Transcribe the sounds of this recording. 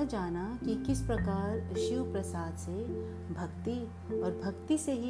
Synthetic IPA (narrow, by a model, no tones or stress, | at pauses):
d͡ʒaːnakikɪspɾɐkaːɾɪʃiʋpɾɐsaːd̪se | bʱɐkt̪i | ɔːɾbʱɐkt̪iseɦi